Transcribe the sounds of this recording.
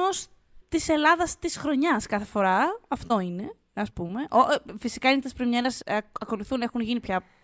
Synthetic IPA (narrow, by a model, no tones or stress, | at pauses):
os | t̪ise̞lɐðɐst̪isxɾo̞ɲɐskɐθe̞fo̞ɾɐɐft̪o̞ine̞ | ɐspume̞ʔoʔfisi̥kɐinet̪ɐspɾimɲeɾɐsɐko̞luθune̞xunʝinipçɐ